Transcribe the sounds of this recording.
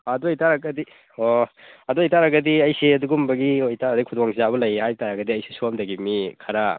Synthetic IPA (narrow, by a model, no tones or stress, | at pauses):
ɐdujtaɾaɡɐdi | oɐduajtaɾaɡɐdiɐjseɐduɡumbɐɡiojtaɾdikʰudɔwaŋsizaβɐlɐjhajtaɾaɡɐdiɐjsesuamdɐɡimikʰɐɾa